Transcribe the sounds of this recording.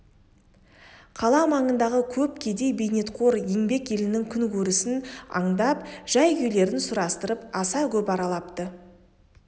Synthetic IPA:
qʰɑlˠɑmɑɴənd̪ɑʁəkʲʰɵp̚kʲʰe̞d̪e̞jbe̞jne̞t̪qʰo̞ɾjeŋbe̞kje̞lɪnɪŋkʲʰʏŋkʰʲɵɾɪsɪnɑ̰ɴd̪ɑpʒ̥ɑjkʏjle̞ɾɪnsʊɾɑst̪əɾəpɑsɑkʲʰɵpɑɾɑlˠɑpt̪ə

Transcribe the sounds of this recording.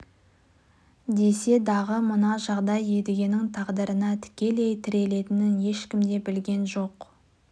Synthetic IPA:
d̪e̞se̞d̪ɑʁəmʊnɑʒɑʁd̪ɑje̞d̪ɪɡʲe̞nɪŋt̪ʰɑʁd̪əɾənɑt̪ʰɪ̥kʲe̞lejt̪ʰɪɾe̞le̞t̪ɪnɪnje̞ʃkʲɪmd̪e̞bɪlɡʲe̞nʒo̞q

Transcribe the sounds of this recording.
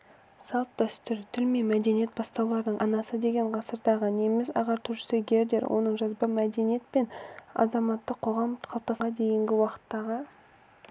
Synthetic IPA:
sɑlˠt̪̚d̪œst̪ʏɾt̪ʰʏlme̞mæd̪e̞nije̞t̪̚bɑst̪ɑwlˠɑɾd̪əɴʔɑnɑsəd̪e̞ɡʲe̞ɴʁɑsəɾd̪ɑʁənemɪsɑ̰ʁɑɾt̪ʰʏɾʃɪ̥seɡʲe̞ɾd̪e̞ɾwʔo̞̰nəɴʒɑzbəmæd̪e̞nije̞t̪̚pe̞nɑ̰zɑmɑt̪ːəqʰːo̞ʁɑmqʰɑlˠp̚t̪ɑsʁɑd̪e̞jɪŋɡʲɪwɑqə̥t̪ːɑʁə

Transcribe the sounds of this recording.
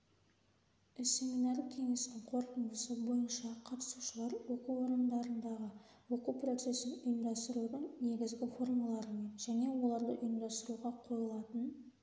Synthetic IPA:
sʲe̞minɑɾd̪əkʲʰe̞ŋe̞snɪŋqʰo̞ɾt̪ənd̪əsəbo̞jənʃɑqʰɑt̪ə̥suʃəlˠɑɾwɵkəwo̞ɾənd̪ɑɾənd̪ɑʁə | wɵkəpro̞t̪se̞sɪnʊjɪmd̪ɑst̪əɾuɾəŋne̞ɡʲɪzɡʲɪfo̞rmɑlˠɑɾəme̞nʒæne̞wo̞lˠɑɾd̪əʔʏjəmd̪ɑst̪əɾuʁɑqʰo̞ɾəlˠɑt̪ən

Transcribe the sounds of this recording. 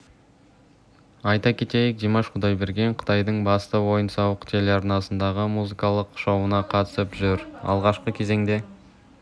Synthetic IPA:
ɑjt̪ɑkʲʰe̞t̪e̞jɪk̚d̪ijmɑʃqʰʊd̪ɑjbe̞ɾɡʲe̞ɴqʰə̥t̪ɑjd̪əɴbɑst̪əwo̞jənsɑwəqt̪ʰelɑɾnɑsənd̪ɑʁəmuzikɑlˠəqʃowənɑqʰɑt̪ə̥səpʒʏɾɑ̰lˠʁɑʃqəkʲʰe̞ze̞ŋd̪e̞

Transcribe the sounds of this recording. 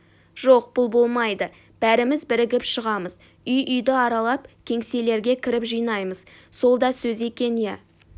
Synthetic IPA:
ʒ̥o̞qb̥ʊlˠbo̞lˠmɑjd̪ə | b̥æɾɪmɪzbɪɾɪɡʲɪpʃəʁɑməz̥ | ʏjʔʏjd̪ɪɑɾɑlˠɑp̚kʲʰe̞ŋse̞le̞ɾɡʲe̞kʲʰɪɾɪpʒijnɑjməz | so̞lˠd̪ɑsɵze̞kʲe̞njæ

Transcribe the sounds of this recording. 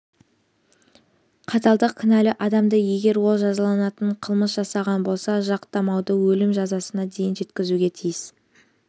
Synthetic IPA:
qʰɑt̪ɑlˠd̪əqkʲʰɪnælɪʔɑd̪ɑmd̪əje̞ɡʲe̞ɾwo̞lˠʒɑzɑlˠɑnɑt̪əɴqʰəlˠməsʒɑsɑʁɑnbo̞lˠsɑʒɑqt̪ɑmɑwd̪əwɵlɪmʒɑzɑsənɑd̪e̞jɪnʒe̞t̪kʲɪzuɡʲe̞t̪ʰijɪs

